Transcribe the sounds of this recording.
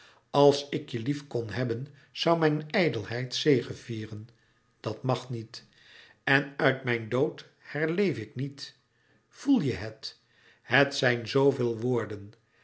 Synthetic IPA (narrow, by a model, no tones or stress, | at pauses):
ɑlˠsɪkjəlifkɔnɦɛbən | z̥ɑwmɛjnɛjdəlˠɦɛjtsejχənv̥iːrən | d̥ɑtmɑχnit | ɛnœɥtmɛjndowt | hɛɹlejfɪknit | v̥ulˠjəɦət | hətsɛjnzowvɪːlˠʋoːɹdən